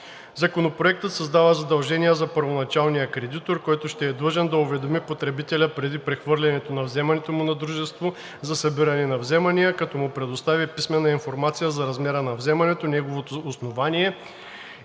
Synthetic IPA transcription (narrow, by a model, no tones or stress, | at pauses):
zɐkonopɾoɛk̚t̪ət̪sɐzd̪avəzɐd̪ɐlˠʒɛnijəzɐpəɾvonɐt͡ʃalˠnijəkɾɛd̪it̪oɾkɔjt̪ʊʃt̪ɛːd̪lˠəʒɛnd̪ɐʊvɛd̪omipot̪ɾɛbit̪ɛlʲəpɾɛd̪ipɾɛxvɤɾlʲɛnɛt̪onɐvzɛmɐnɛt̪omʊnɐd̪ɾuʒɛst̪vo | zɐsɐbiɾɐnɛnɐvzɛmɐnijəkɐt̪ɔmʊpɾɛd̪ost̪avʲipismɛnːɐinfoɾmat̪sijəzɐɾɐzmɛɾənɐvzɛmɐnɛt̪onɛɡovot̪oːsnovanʲiɛ